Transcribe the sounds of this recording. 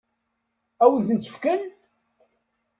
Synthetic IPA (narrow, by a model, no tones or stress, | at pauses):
æwəðənt̪ə̥fkən